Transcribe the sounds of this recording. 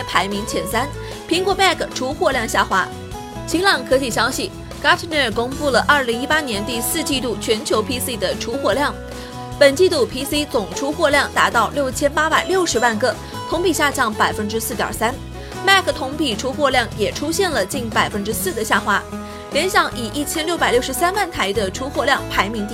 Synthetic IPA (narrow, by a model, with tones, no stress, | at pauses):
ɛ˥pʰa˧˥ɪmi˧˥ŋt͡ɕʰjɛ˧˥nsa˥n | pʰi˧˥ŋkwɔ˧˥ma˥˩kʰʈ͡ʂʰu˥xwɔ˥˧ljɑ˥˧ŋɕja˥˩xwa˧˥ | t͡ɕʰi˧˥ŋlɑ˨˩ŋkʰɤ˧˥t͡ɕi˥˩ɕjɑ˥ʊɕi˥˩ | ka˥t̪ʰni˥˩˨kʊ˥ŋpu˥˩lə˩ʔɐ˞˥˩li˧˥ŋi˥pa˥njɛ˧˥nt̪i˥˧sɹ̩˥˧t͡ɕi˥˧t̪u˥˩t͡ɕʰɥɛ˧˥nt͡ɕʰjo˧˥ʊpʰi˥si˥d̪ə˨ʈ͡ʂʰu˧˥xwɔ˥˧ljɑ˥˩ŋ | pə˨˩nt͡ɕi˥˧t̪u˥˩pʰi˥si˥t͡sʊ˨˩ŋʈ͡ʂʰu˥xwɔ˥˧ljɑ˥˩ŋt̪a˧˥t̪ɑ˥˧ʊljo˥˩ʊt͡ɕʰjɛ˥npa˥pa˨˩ɪljo˥˩ʊʂɻ̩˧˥wa˥˧nkɤ˥˩ | t̪ʰʊ˧˥ŋpi˨˩ɕja˥˧t͡ɕjɑ˥˩ŋpa˨˩ɪfə˥nʈ͡ʂɻ̩˥sɹ̩˥˩t̪jɑ̰˨˩sa˥n | ma˥˧kʰə˩t̪ʰʊ˧˥ŋpi˨˩ʈ͡ʂʰu˧˥xwɔ˥˧ljɑ˥˩ŋjɛ˨˩ʈ͡ʂʰu˥ɕjɛ˥˩nlə˩t͡ɕi˥˩npa˨˩ɪfə˥nʈ͡ʂɻ̩˥sɹ̩˥˩d̪ə˩ɕja˥˩xwa˥ | ljɛ˧˥nɕjɑ˨˩ŋʔi˨˩ʔi˥˩t͡ɕʰjɛ˥nljo˥˩ʊ̯pa˨˩ljʂɻ̩˧˥sa˥nwa˥˩nt̪ʰa˧˥ɪd̪ə˧ʈ͡ʂʰu˧˥xwɔ˥˧ljɑ˥˩ŋpʰa˧˥ɪmi˧˥ŋt̪i˥˩